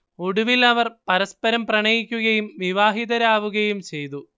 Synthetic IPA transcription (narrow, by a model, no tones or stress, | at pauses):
oɽuʋilɐʋɐrpɐɾɐspɐɾɐmprɐɳɐjikʲːuɣɐjumʋiʋaːɦiðɐɾaːʋuɣɐjumt͡ɕe̞jt̪u